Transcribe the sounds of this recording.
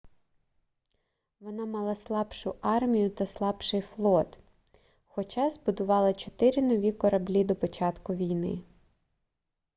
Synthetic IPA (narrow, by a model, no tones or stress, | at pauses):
ʋɔnɑmɑlˠɑslˠɑbʃʊɑrmʲijʊt̪ɐslˠɑbʃɪjflˠɔt̪ | xɔt͡ʃɑzbʊd̪ʊʋɑlˠɐt͡ʃɔt̪ɪɾʲinɔʋʲikɔɾɐblʲid̪ɔpɔt͡ʃɑt̪kʊʋʲijnɪ̰